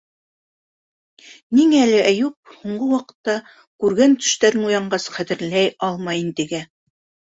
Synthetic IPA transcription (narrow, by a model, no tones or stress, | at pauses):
niŋææːlɘʔæjup̚huɴɢɤwɑqɤ̥̆t̪ːɑ | kʉɾɡænt̪ɵ̥̆ʃt̪æɾɘnujɑɴɢɑsχæt̪ɘ̆ɾlæjɑlˠmɑjint̪ɘ̆ɡæ